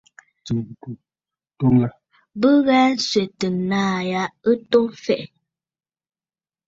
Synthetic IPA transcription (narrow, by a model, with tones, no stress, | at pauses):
to˦ŋla˦ | bə˦ɣɛ˦n˦sɥe˨tə˨naː˦˨ja˨˦ə˦to˦fɛ˨ʔ